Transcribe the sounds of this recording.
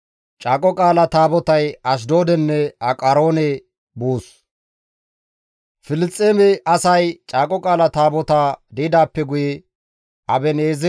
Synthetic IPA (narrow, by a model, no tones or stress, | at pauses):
t͡ʃʼaːkʼɔkʼaːlɐt̪aːbɔt̪ɐjɐʃ̬d̪o̞ːd̪ɛnːɛɐkʼɐɾo̞ːnɛ | buːs | fɪlɪt͡sʼːeːmɛʔɐsɐjt͡ʃʼaːkʼɔkʼaːlɐt̪aːbɔt̪ad̪ɛɪd̪aːpːɛɡʊjɛ | ʔɐbɛneːzɛ